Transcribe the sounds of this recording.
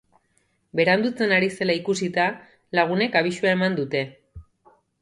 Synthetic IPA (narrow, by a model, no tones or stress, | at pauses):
be̞ɾand̪ut͡se̞naɾise̞laikusit̪a | laɣ̞une̞kaβ̞iʃuae̞mand̪ut̪e̞